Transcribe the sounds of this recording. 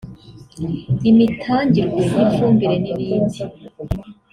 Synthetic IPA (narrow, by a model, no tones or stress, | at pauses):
imitʰaːɲɟiɾɡwe̞jiɱfuːmbiɾe̞niβiːndi